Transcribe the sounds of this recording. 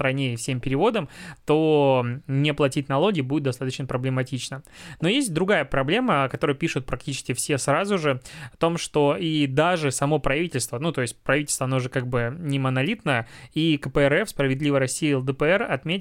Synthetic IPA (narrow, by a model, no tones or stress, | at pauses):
t̪ɾɐnʲeɪfsʲempʲɪɾʲɪvo̞d̪əmt̪o | nʲɪplˠɐtʲitʲnɐlˠoɡʲɪːbudʲɪt̪̚d̪ɐst̪at̪ət͡ɕnəpɾəblʲɪmɐtʲit͡ɕnəno̞jesʲt̚ʲd̪ɾʊɡajəpɾɐblʲe̞məkɐt̪o̞ɾəjəpʲiʂʊt̪̚pɾɐk̚tʲit͡ɕɪ̥skʲɪfsʲe̞srazʊʐɨɐt̪o̞mʂt̪o̞id̪aʐɨsɐmo̞pɾɐvʲitʲɪlʲst̪vənut̪o̞ɪsʲt̚ʲpɾɐvitʲlʲst̪vɐnoʐɛkaɡ̚bɨnʲɪmənɐlʲit̪nəəikəpəɛrɛfspɾəvʲɪd̪lʲivəɾɐsʲːijəɛlˠd̪əpəɛrɐt̪mʲetʲ